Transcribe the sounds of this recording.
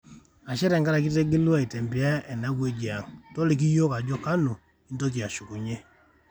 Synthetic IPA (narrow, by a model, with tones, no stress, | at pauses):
a˨ʃɛ˦ɾɛ˨ŋɡa˦ɾa˨k̬i˦te˦ɡe˦lu˦a˦i˨te˨mbi˨a˦ɛ˨na˦kwe˦d͡ʒi˨a˨ŋto˦li˨k̬i˦jo˦ka˨d͡ʒɔ˦ka˦nu˨ | i˦nto˦k̬i˨a˨ʃu˨ku˨ɲe˦